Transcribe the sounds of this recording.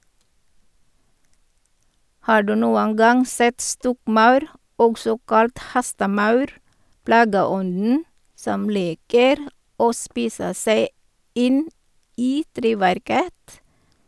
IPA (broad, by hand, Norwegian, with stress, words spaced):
ˈhɑː ˈɖʉː ˈnuːən ˈɡɑŋ ˈsɛt ˈstɔkˌmɑʉɾ ˈɔɡsɔ ˈkɑlt ˈhɛstəˌmɑʉɾ ˈplɑːɡəˌɔndn̩ ˈsɔm ˈliːkəɾ ˈoː ˈspiːsə ˈseɪ ˈɪn ˈiː ˈtɾeːʋæɾkət